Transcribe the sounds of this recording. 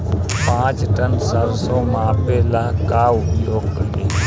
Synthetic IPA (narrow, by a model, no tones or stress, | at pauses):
pãːt͡ʃʈənsaɾsɔːmãːpeːlaːkaːʊpjoːɡ̚kəɾeː